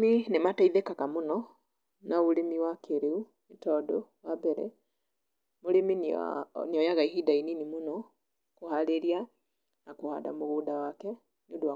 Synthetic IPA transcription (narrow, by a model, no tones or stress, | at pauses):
minemataiðekakamonɔ | nauɾemiwakeɾeu | metɔdɔwabɛɾɛ̰ | moɾemin̰nijɔjaɣaihidaininimonɔ | kohaleɾia | nakoha̰da̰moɣuːdawakɛ | niodowa